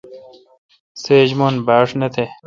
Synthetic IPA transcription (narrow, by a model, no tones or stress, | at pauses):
seːd͡ʑmonbaːʂnet̪ʰe